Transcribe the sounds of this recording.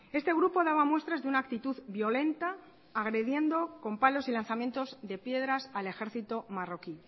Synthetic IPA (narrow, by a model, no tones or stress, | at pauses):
e̞st̪e̞ɣɾupo̞ðaβamwe̞st̪ɾazðeunaːk̚t̪it̪uðbjo̞le̞nt̪aː | ɣ̞ɾe̞ðje̞nd̪o̞ko̞mpalo̞silanθamje̞nt̪o̞zðe̞pje̞ðɾasale̞xe̞ɾθit̪o̞maro̞ki